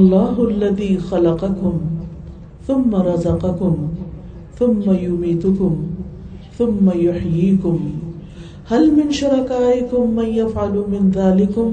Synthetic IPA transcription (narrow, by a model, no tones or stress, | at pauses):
ʔlˤːɑːɦʊʔalːaðiːxɑlɑqɑkʊm | θʊmːaɾˤɑzɑqɑkʊm | θʊmːajʊmiːt̪ʊkʊm | θʊmːajʊħjiːkʊm | halmɪnʃʊɾˤɑkaːʔɪkʊmːanjafʕalːmɪnðaːlɪkʊm